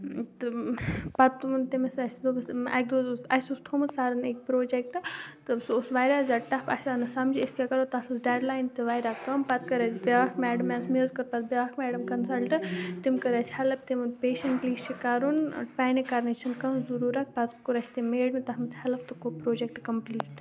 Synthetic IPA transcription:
t̪ɨpɐt̪umunt̪imesɐsʲd̪obɐsɐ̰k̚ʲd̪oːzsɐsʲust̪ʰomɨsaːɾɐnek̚ʲpɾoːd͡ʒek̚ʈɨt̪ɨsusʋaːjɾaːzɐʈɐpʰɐ̰sanɨsɐmd͡ʒiɐskʲekɐɾot̪ɐsɨsɖeːɖlaːjnt̪ɨʋaːjɾaːkkɐmpɐt̪kɐɾɐsbʲeʋaːkmɛːɖɐmɛːsmizkɐɾpɐt̪̚bʲeʋakmɛːɖɐmkɐnsɐlʈɨt̪imkɐɾɐsʲhɐlɐb̚t̪imɨnpeːʃɐɳʈliːʃikaɾunpaːnikɐɾnit͡ʃʰɐnkɐnzuɾuːɾɐk̚ʰpɐt̪kuɾɐsʰʲt̪imeːɖmit̪ɐɦmɨt͡sʰhɐlɐb̚t̪ɨkopɾoːd͡ʒek̚ʈkɐmpliːʈ

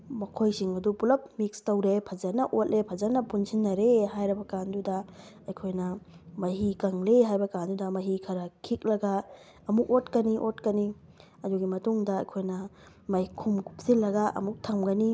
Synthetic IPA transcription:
mɐkʰojsiŋɐdupulɐp̚mik̚stɐwɾepʰɐzɐnɐʔot̚lʔepʰɐzɐnɐpunsʰinːɐɾehajɾibɐkandudɐɐjkʰojnɐmɐɦikɐŋleɦajbɐkandudɐmɐɦikʰɐɾɐkʰik̚lɐɡaː | muk̚ot̚kɐniʔot̚kɐni | ɐduɡimɐtuŋdɐɐjkʰojnɐ | mɐjkʰumkʰu̥p̚silːɐɡaʔɐ̰muk̚tʰɐmɡɐni

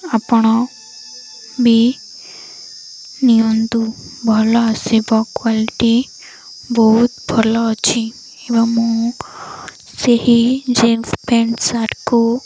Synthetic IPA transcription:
apɳ̃ɔ | bʱi | niõnd̪ubʱɔlɔsebɔkʋalʈi | bɔɦut̪bʱɔlɔt͡ʃʰĩ | eʋamũ | sehid͡ʒenfpʰeɳsaʈko

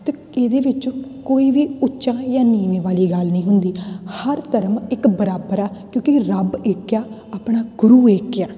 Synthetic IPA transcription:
t̪eː | eːd̪eːʋɪt͡ʃkoːiːʋiːʊtːʃãːjãːniːmeːʋaːliːɡəlnĩːɦʊnd̪iːhəɾt̪əɾəmɪkbəɾaːbəɾɛːkjõːkiɾəbeːkːjaː | aːpɳaːɡʊɾuːeːkːjaː

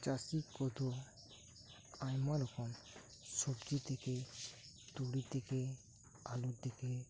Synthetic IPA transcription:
t͡ʃasikɔd̪ɔ | ajmaɾɔkɔm | sɔbd͡ʒit̪eke | t̪uɽit̪eke | alud̪eke

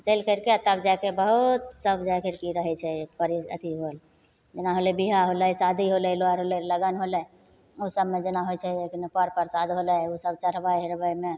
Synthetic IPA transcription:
t͡ʃəɪlkəɾkeət̪əbd͡ʒajkebəɦut̪səbd͡ʒakəɾkiɾəɦɛt͡ʃʰɛpəɾiə̰t̪iɦol | d͡ʒenaɦolɛbiɦaɦoləsad̪ʱiɦolɛloəɾɦolɛləɡənɦolɛj | usəbmed͡ʒenaɦot͡ʃʰɛeknepəɾpəɾsad̪ʱɦolɛjusəbt͡ʃəɾ̤bajɦeɾbəjme

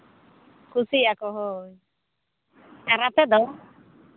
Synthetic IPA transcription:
kʰusiakɔɦoj | ɛɾat̪ɛd̪ɔ

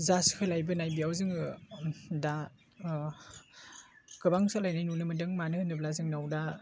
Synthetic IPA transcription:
zaskʰɯlajbɯnajbijawzɯŋɯ | da | ɡ̥ɯbaŋsalajnajnunɯmɯdɯŋmanɯhɯnɯblazɯŋnawda

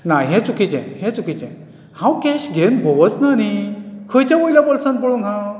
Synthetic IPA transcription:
najɦɛ̃t͡sukit͡sɛ̰̃hɛ̃t͡sukit͡ɕɛ̰̃ | hãwkeɕɡʱenbʱoʋət͡snanikʰəjt͡ɕjãmojljapɔlsãnpəɭoŋɡɦã

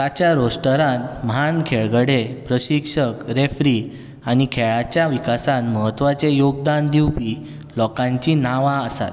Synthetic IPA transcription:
t̪at͡ɕjaɾosʈəɾãnmɦankʰeɭɡəɽepɾəɕikʂəkɾefɾi | añikʰɛɭat͡ɕjaʋikasãnməɦət̪ːʋat͡sejoɡ̚d̪and̪iwpi | lɔkãɲt͡ɕinaʋaəsa̰t̪

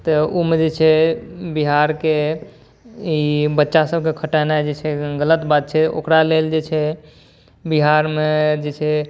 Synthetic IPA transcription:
t̪əomed͡ʒet͡ʃʰɛbiɦaɾke | ibətːʃasəb̚ʱkekʰəʈanad͡ʒet͡ʃʰɛɡələt̪bat̪̚t͡ʃʰɛo̰kɾaleld͡ʒet͡ʃʰɛ | biɦaɾmed͡ʒet͡ʃʰɛ

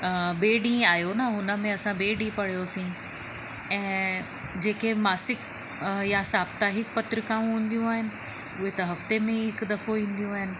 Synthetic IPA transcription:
beːɖĩaːjonaɦʊnəmẽɐsãbeːɖĩpɐɽijoɐsĩ | ɛ̃ː | d͡ʑeːkemaːsɪk | jasaːbt̪aːɦɪkpɐt̪ɾɪkãũɦĩːn̆d̪ijũaːɦɪnɪ̆ | ʊɦet̪ɐɦɐft̪emẽɪkd̪ɐfoĩːnd̪ijũaːɦɪnɪ̆

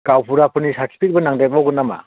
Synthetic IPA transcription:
ɡ̥awpʰuɾapʰɯnisaɾtʰi̥pʰik̚bɯnaŋdajbawɡɯnːama̰

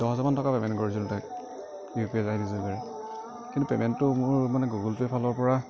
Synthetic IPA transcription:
d̥ɔɦzamantɔkapɛmɛntkɔɹisilʊtajk̚ | ipiɛzaɦinizilɡaɹɛ | kintupɛmɛntːʊmʊɹmanɛɡuɡɔltɛpʰalɔɹpɔɹa

